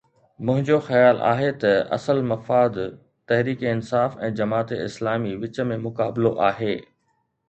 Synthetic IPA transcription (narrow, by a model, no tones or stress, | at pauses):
mʊ̃ɦɪ̃ɲd͡ʑoxɐjaːlʔa̰ːɦet̪ɐʔɐ̰səlmɐfaːd̪ | t̪ɐɦɾiːkeɪnsaːfɛ̃ːd͡ʑɐmaːt̪eɪ̰slaːmiʋɪt͡ɕə̆mẽmʊkaːbloʔaːɦeː